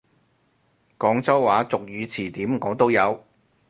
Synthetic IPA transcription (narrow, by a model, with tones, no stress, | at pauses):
kɔː˨˥ŋt͡sɐ˥wwaː˨˥t͡sʊ˨k̚jɥyː˨˧t͡sʰiː˨˩t̪iː˨˥mŋɔː˨˥t̪o˥wjɐ˨˧w